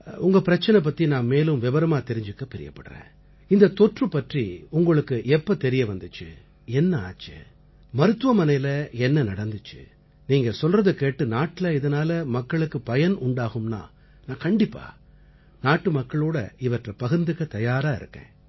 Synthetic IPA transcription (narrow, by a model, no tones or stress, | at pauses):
ʊŋɡɐpɪɾɐt͡ʃːɐnɐp̬ːɐt̪ːinãːmmeːlɯmʋɪbɐɾɐmaːt̪ɛɾɪɲd͡ʒɯkːɐpɛɾɪ̰jɐ̰pːɐɽɯɾḛ̃ː | ɪnd̪ɐt̪ɔʈrɯpːɐʈriʊŋɡɐɭɯkːɯɛpːɐt̪ɛɾɪjɐʋɐnd̪ɯt͡ʃːɯ̰ | ɛnːɐa̰ːt͡ʃːɯ̰ | mɐɾɯt̪ːɯʋɐmɐnɐjɪlɐɛnːɐnɐɽɐnd̪ɯt͡ʃːɯ̰ | niːŋɡɐsɔlrɐðɯkeːʈːɯnaːʈːɪlɐɪðɐnaːlɐmɐkːɐɭɯkːɯpɐjɐnʊɳɖaːɣɯmna̰ː | nãːkɐɳɖɪpːa̰ː | naːʈːɯmɐkːɐɭoːɽɐ̰ɪʋɐʈrɐpɐɣɯɾnd̪ɯkːɐt̪ɐjaːɾaːɪ̰ɾɯ̰kːḛ̃ː